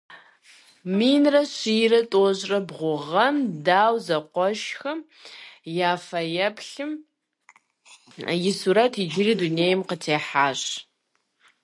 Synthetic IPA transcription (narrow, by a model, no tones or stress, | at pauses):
miːnrɐɕiːrɐtʼoʑrɐbʁʷʊʁɐmdaːwzɐqʷɔʃxɐm | jaːfɐjɐpʰɬɨm | jɪsuɾɐtʰid͡ʒɪriːduneːjmqətʰeːħaːɕ